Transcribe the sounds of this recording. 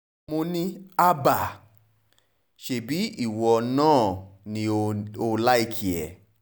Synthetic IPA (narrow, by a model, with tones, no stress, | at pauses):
mo˧nĩ˦a˦ba˨ | ʃe˧˨bi˨˦i˦˨wɔ˧nãː˦˨nĩ˧o˧la˦i˦˨kʰi˨ɛ̰˨